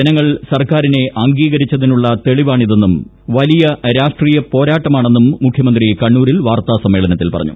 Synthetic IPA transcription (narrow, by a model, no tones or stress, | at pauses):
enɐŋːɐɭsɐrkaːɾine̞ʔɐŋɡiːɣɐɾit͡ɕːɐðinuɭːɐt̪e̞ɭiʋaːɳiðe̞nːum | ʋɐlijɐɾaːʂʈriːjɐpo̞ːɾaːʈːɐmaːɳe̞nːumːukʰjɐmɐnd̪rikɐɳːuːɾilʋaːrt̪aːsɐmːeːɭɐnɐt̪ːilpɐ̰rɐ̰ɲːṵ